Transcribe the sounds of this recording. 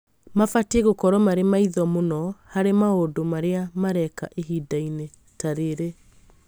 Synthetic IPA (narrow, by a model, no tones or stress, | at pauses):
mafateɣokɔɾɔmaɾemaiðɔmonɔhaɾemaodomaɾeamaɾɛkaʔeɦidaine | taɾeɾe